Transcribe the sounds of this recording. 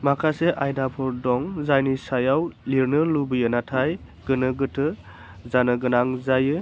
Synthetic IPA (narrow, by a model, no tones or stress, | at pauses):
makʰaseʔajdapʰɔɾdɔŋzajnisajawliɾnɯlubɯjɯnatʰaj | ɡ̥ɯnɯɡɯtʰɯ | zanɯɡɯnaŋzajɯ